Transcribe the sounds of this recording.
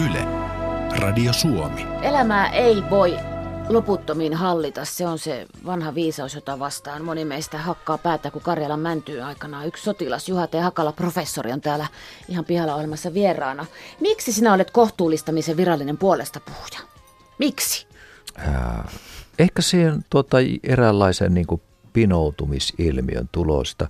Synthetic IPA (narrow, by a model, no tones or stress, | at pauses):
ylḛrɑ̰diosuomielæmæːʔeiʋoiloput̪ːominhɑlːit̪ɑsseonsḛ | ʋɑnhɑʋiːsɑusjot̪ɑʋɑst̪ɑːnmonimeist̪æhɑkːɑːpæːt̪æːkukɑrjɑlɑmmænt̪yːnɑikɑnɑːykssot̪ilɑsjuhɑt̪eɑhɑkɑlɑprofesːoriont̪æːlæihɑmpihɑlːɑohielmɑsːɑʋierˑɑːnɑmiksisinæolet̪koht̪uːlːˑist̪ɑmiseʋirɑlːinempuolest̪ɑpu̥hu̥jɑ̥ | miksi̥ | ə̰ | ehkæsiːhent̪uot̪ːɑerælːɑisḛnniːŋku | pinout̪umisilmḭø̰nt̪ulo̰st̪ɑ